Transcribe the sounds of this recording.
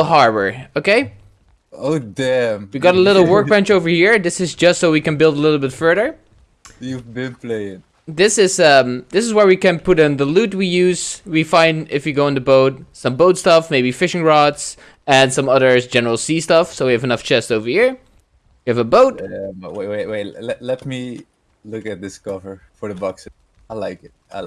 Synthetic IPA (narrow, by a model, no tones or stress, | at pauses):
l̩ˠɦɑɹbə̰˞oʊkeɪ | oʊdæmwiɡɑɾəlɪɾl̩ˠwɜ˞k̚b̥æ̃nt͡ʃoʊvə˞hiɹðɪsɨzd͡ʒʌstsoʊwikɨ̃nbɪlˠdəlɪɾl̩ˠbɪtfɜ˞ðə˞ | jɨbɪpʰleɪɪ̃n | ðɪsɪz̥ʌ̃mðɪsɨzwə˞wikɨ̃npʰʊɾɨ̃nðəlʉt̚wijʉz̥wifãɪ̃ndɪfjɨɡoʊə̃ntɨboʊt̚sʌ̃mboʊtstʌfmeɪbifɪʃɪ̃ŋɹɑts | ɨ̃nsʌ̃mʌðə˞d͡ʒɛnə˞l̩ˠsistʌfsoʊwiɨvɨnʌft͡ʃʰɛstoʊvə˞hiɹ | jɨɨvəboʊt̚weweweɪlɛlɛt̚mi | lʊkɨt̪̚ðɪskɔvə˞fə˞ðəbɑks | aɪlaɪkɪt̚aɪ